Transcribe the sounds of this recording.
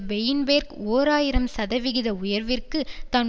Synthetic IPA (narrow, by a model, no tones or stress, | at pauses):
bɛjɪnbeːɾkoːɾaːjɪɾɐmsɐðɐʋɪɣɪðɐʊjɐɾʋɪrkɯt̪ɐn